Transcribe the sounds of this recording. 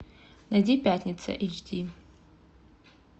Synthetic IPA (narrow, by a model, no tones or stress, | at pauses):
nadʲipʲatʰnʲit͡sʰa̰ʔet͡ʃdi